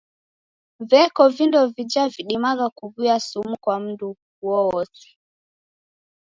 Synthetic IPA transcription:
vɛkɔvindɔvid͡ʒaviɗimaɣakuvuasumukwam̩du | huɔwɔsi̥

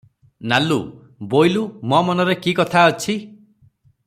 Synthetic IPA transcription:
nalu | bojlumɔmɔnɔɾekikɔt̪ʰaɔt͡ʃʰi

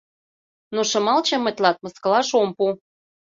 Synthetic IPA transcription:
noʃɤ̆mɑlt͡ɕɤ̆mə̆t̪ʲlɑt̪̚mə̆skɤ̆lɑʃompu

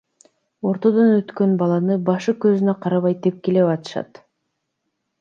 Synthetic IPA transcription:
o̞ɾt̪o̞d̪onøt̪kø̞nbɑlˠɑnɯbɑʃɯkøzynøqʰɑɾɑβɑjt̪e̞p̚kele̞βɑt̪ɯ̥ʃɑ̰t̪

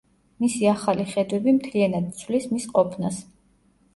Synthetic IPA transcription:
misiaχaliχɛd̪wɛbimt̪ʰlianad̪̚t̪sʰwlismisqʼɔpʰnas

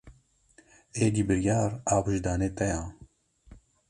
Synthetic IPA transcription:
eːd̪iːbɨɾjaːɾaːwɨʒd̪aːneːt̪ɛjãː

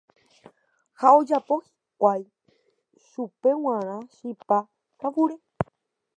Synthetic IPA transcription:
hao̞d͡ʒapo̞hi̥kʷaj | ʃupe̞w̃ãɾ̃ãʃipa | kawuɾe

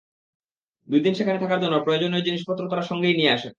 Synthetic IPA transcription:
d̪ujd̪inʃekʰanet̪ʰakaɾd͡ʑonːoɾpɾood͡ʑoned͡ʑiniʃpɔt̪ːɾot̪aɾaʃɔŋɡejnijeaʃa

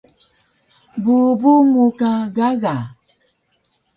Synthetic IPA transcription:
bubumukãɣaɣa

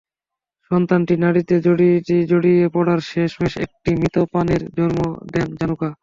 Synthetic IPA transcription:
ʃɔnt̪anʈinaɽit̪ed͡ʑoɽiʈid͡ʑoɽiepɔɽaɾʃeʃbeʃḛk̚ʈimit̪opaneɾd͡ʑɔɾmo̰d̪end͡ʑanuka

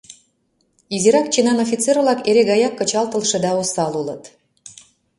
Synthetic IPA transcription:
iziɾɑkt͡ɕinɑnofʲit͡servlɑkeɾeɣɑjɑkːɤ̆t͡ɕɑlt̪ə̆lʃĕd̪ɑusɑlulə̰t̪

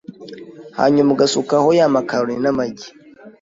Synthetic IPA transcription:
ha̰ɲomuɡasukahojamakaɾinamaɡʲi

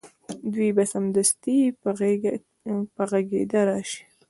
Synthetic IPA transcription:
d̪wibasamd̪ast̪i | pəɣaɡḛd̪aɾaʃi̥

